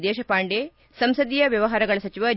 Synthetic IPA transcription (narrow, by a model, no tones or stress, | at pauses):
d̪eːʃɐpaːɳɖeː | sɐmsɐd̪ijɐʋjɐʋɐɦaːɾɐɡɐɭɐsɐt͡ʃiʋɐ